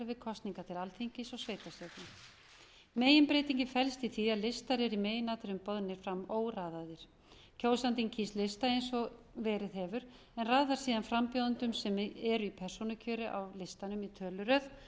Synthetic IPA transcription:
ɾvɪðkʰɔst̪niŋkat̪ʰɪlalθiŋcɪsɔɣsveːjt̪aset̪nɪ | meːjɪnpɾeːjt̪iɲcɪfɛlst̪iθiaðlɪst̪aɾɛɾimeːjɪnaːt̪ɪɾʏmpɔðnɪɾ̥fɾamːoːwraːðaðɪɾ̥ | cʰoːwsant̪iŋcʰiːst̪lɪst̪aejnsɔvɛːɾɪðɦɛvʏɾ̥ | ɛnraːðaɾ̥siːðanfɾampjowðʏnt̪ʏmsɛmɛɾʏipʰɛr̥sɔnʏcʰœːɾɪʔa̰wlɪst̪anʏmit̪ʰœːlʏɾœð

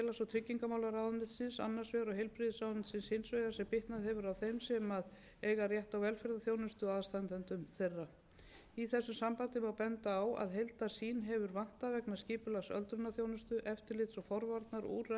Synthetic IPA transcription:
ɛlasɔt̪ʰɾɪcːiŋkamawlaɾawðʏnɪsɪnsa̰nːḁsvɛɣɾɔɦejlpɾɪðɪsawnɪsɪnsɪnsvejɣasɛmpɪht̪naðhɛvʏɾawθejmsɛmað | ejɣarjɛht̪awvɛlfɛɾðaθjownʏst̪ʏaðst̪ant̪ɛnt̪ʏmθejrːa | iθɛsːʏmsampant̪ɪmawpɛnt̪aːwa̰ðɦejlt̪ḁsiːnɦɛvʏɾvan̥t̪avɛknḁsciːpʏlasœ̰lt̪ɾʏnːaθjownʏst̪ʏʔɛft̪ɪɾlɪt̪sɔfɔɾvaɾt̪naɾṵːɾa

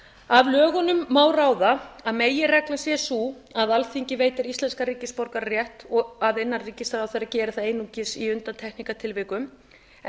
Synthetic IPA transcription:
avlœːɣɔnʏmːaːwraːwðaaðmeːjɪrɛklasjɛsuː | aðalθiɲcɪveːjt̪ɪɾist̪lɛnskaɾiːcɪspɔɾkaɾrjɛht̪ɔaðɪnːanriːcɪst̪aɾawθejɾacɛːɾɪθaðejnucɪsiʏnt̪ant̪ʰɛhknikat̪ʰɪlvɪkʏm

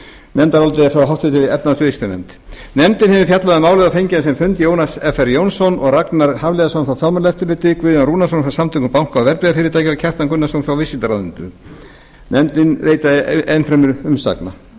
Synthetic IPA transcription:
nɛmt̪aɾalt̪ɪɛfɾaɦawht̪fɪt̪ʰɪɛt̪nasʏist̪anɛ̰mt̪ | nɛmt̪ɪnhɛvʏfjat̪laðɪmaːwlɛðafejɲcɪnas̬ɛmfʏnt̪jownasɛfɛɾjownsɔnɔɣraknaɾhavlejðasawnfawfjalmʏɾlɛft̪ɪlɪːt̪ɪkvʏðanɾuːnas̬onfɾawsamt̪ʰʏkʏmpawŋ̥kaawvɛɾpɪðafɪːɾɪɾt̪aːjcɪacʰɛr̥t̪ankʏnːasownfɾawvɪsɪlt̪aɾawðɪnt̪ʏ̰ | nɛmt̪ɪnɾeːjt̪aenfɾɛmʏɾʏmsa̰kna̰

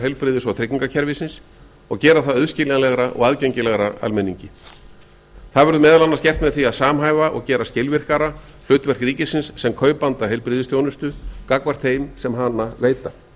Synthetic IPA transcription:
ɦeɥlpɾɪðɪsvawt̪ʰɾɪkniŋkacʰɛɾvɪsɪns | ɔɣcɛːɾaθaðœðscɪlanlɛɣɾaʔɔ̰ɣaðcœɥɲcɪlɛɣɾaa̰lmɛnːḭɲcɪ | θaðvɛɾðʏmɛːðalanːascɛr̥t̪mɛðθiaðsaːmɦaːjvaʔɔ̰ɣcɛːɾascɪlvɪr̥kaɾa | l̥ʏːɥt̪vɛr̥kriːcɪsɪnsːɛmkʰœːɥpant̪aɦeɥlpɾɪːðɪsθjownʏst̪ʏkakvar̥t̪θejmsɛmɦanːaveːjt̪a

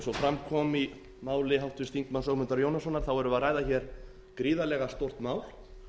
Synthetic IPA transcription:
sɔfɾamkʰɔmi | maːwlɪɦawht̪ʏ̥st̪iŋk̪mansœɣmʏnt̪aɾjoːwnasɔnːaɾ̥θawɛɾʏvarajðaçɛɾ̥ | kɾiːðalɛɣast̪owr̥t̪maːwl

